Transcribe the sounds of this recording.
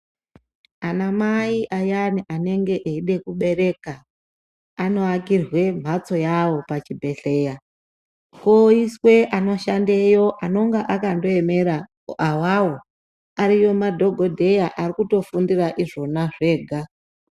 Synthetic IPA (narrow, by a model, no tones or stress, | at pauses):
anamaiʔajaniʔane̞ŋɡe̞ʔeiɗe̞kuɓe̞re̞kaː | no̞akirwe̞m̤at͡so̞jawo̞pat͡ʃibʱe̞ɬe̞ːja | koiswe̞ʔano̞ʃandejo̞ʔano̞ŋɡaʔakando̞eme̞ɾa | awawo | aɾijo̞madʱo̞ɡʱo̞dʱe̞jaʔarikuto̞fundiraʔiʐo̞naʐe̞ːɡʱa